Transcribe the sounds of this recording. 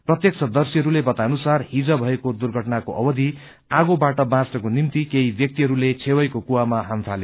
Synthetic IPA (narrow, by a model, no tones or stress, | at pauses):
prʌt̪jʌksʌd̪ʌrsiɦʌɾulebʌt̪anusarhid͡zʌbʱʌekod̪urɡʱʌʈnakoʔʌbʌd̪ʱi | aɡobaʈʌbãsʈʌkonimt̪ikeibjʌk̚t̪iɦʌɾulet͡sʰewʌjkokuwamaɦampʰale